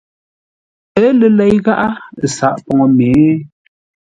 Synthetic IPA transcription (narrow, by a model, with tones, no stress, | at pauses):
ə˨˦lə˨lɛ˨jɣa˦ʔa˦˨sa˨ʔpɔ˨ŋɔ˨me˨˦